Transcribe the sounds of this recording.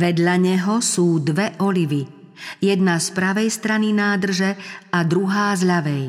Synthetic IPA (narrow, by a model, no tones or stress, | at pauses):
ʋɛd̪ʎaɲɛɦɔsuːd̪ʋɛʔɔliʋijɛd̪naspɾaʋɛjst̪ɾaninaːd̪r̩ʒɛad̪ɾuɦaːzʎaʋɛj